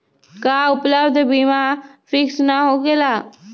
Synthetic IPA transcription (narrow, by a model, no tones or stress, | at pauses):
kaːʊpləbd̪ʱbimafʰɪksnaɦoɡelaː